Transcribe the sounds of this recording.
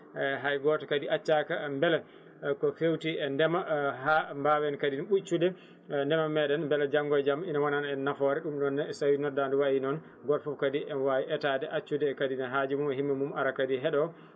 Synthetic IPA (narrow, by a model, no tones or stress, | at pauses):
ɦajɡɔtɔkadiʔat͡ʃːakambɛlɛ | kɔfewtiɛndɛmahambawɛnkadinaɓut͡ʃːudɛ | ndɛmamɛɗɛnbɛlɛd͡ʒaŋɡɔjd͡ʒaminawananɛnːafɔɾɛɗumɗɔnːɛsawinɔdanduwawinɔn | ɡɔlfufkadiwawiʔɛtadɛʔat͡ʃːudɛːkadinaɦad͡ʒimumɛɦimːamumaɾakadiɦɛɗɔ